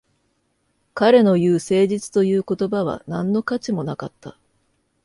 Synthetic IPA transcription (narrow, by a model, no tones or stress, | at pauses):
kaɾe̞no̞jɯ̟ːse̞ːd͡ʑit͡sɨ̥t̪o̞jɯ̟ːko̞t̪o̞baβ̞a̰nãnːo̞kat͡ɕimo̞naka̰t̪ːa̰